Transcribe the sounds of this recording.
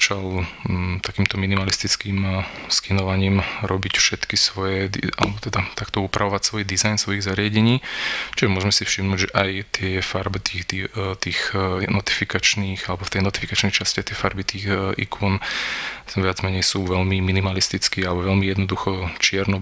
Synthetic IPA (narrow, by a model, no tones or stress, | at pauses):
at͡ʃalt̪akiːmt̪ɔminimalist̪it͡skiːmskinɔʋaɲiːmɾɔbicfʃɛt̪kisʋɔjɛd̪ia̰lɛbɔt̪ɛd̪at̪akt̪ɔupɾʔaʋɔʋacsʋɔjd̪izajnsʋɔiɣzaɾɪaɟɛɲiːt͡ʃiʒɛmʊɔʒmɛsifʃimnuːɟʒɛʔajt̪ɪɛfaɾbit̪iit̪iːxnɔt̪i̥fikat͡ʃniːxalɛbɔft̪ɛjnɔt̪ifikat͡ʃnɛjt͡ʃasciajt̪ɪɛfaɾbit̪iːxʔḭkʰuːn | ʋɪad͡zmɛɲɛjsuːʋɛlmiminimalist̪it͡skiːalɛbɔʋɛlmijɛd̪nɔd̪uxɔt͡ʃɪɛɾnɔ